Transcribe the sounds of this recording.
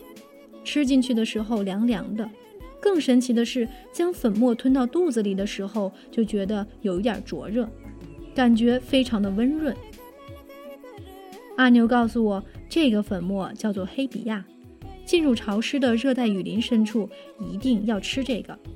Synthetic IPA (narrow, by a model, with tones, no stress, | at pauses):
ʈ͡ʂʰɻ̩˥t͡ɕi˥˧nt͡ɕʰy˥˩d̪ə˩ʂɻ̩˧˥xo˥˧ʊljɑ˧˥ŋljɑ˧˥ŋd̪ə˧ | kɤ˥˩ŋʂə˧˥nt͡ɕʰi˧˥d̪ə˧ʂɻ̩˥˩t͡ɕjɑ˥ŋfə˨˩nmwɔ˥˧˩t̪ʰwə˥nt̪ɑ˥˧ʊt̪u˥˩d͡z̩˨˩li˨˩d̪ə˦ʂɻ̩˧˥xo˥˧ʊ | t͡ɕjo˥˩ʊt͡ɕɥɛ˧˥d̪ə˧jo˨˩ʊi˥t̪jɐ̰˞˨˩ʈ͡ʂwɔ̰˧˥ɻɤ˥˩ka˨˩nt͡ɕɥɛ˧˥fe˥ɪʈ͡ʂʰɑ˧˥ŋd̪ə˧wə˥nɻwə˥˩n | a˥˩njo˧˥ʊkɑ˥˩ʊsu˨˩wɔ˨˩ʈ͡ʂɤ˥˩˧ɡə˩fə˨˩nmwɔ˥˩t͡ɕjɑ˥˧ʊt͡swɔ˥˩xe˥ɪpḭ˨˩ja˥˩ | t͡ɕi˥˧nɻu˥˩ʈ͡ʂʰɑ˧˥ʊʂɻ̩˥d̪ə˨ɻɤ˥˧t̪a˥˩ɪy˨˩li˧˥nʂə˥nʈ͡ʂʰu˥˩ | i˧˥t̪i˥˧ŋjɑ˥˧ʊʈ͡ʂʰɻ̩˥ʈ͡ʂɤ˥˩ɡə˩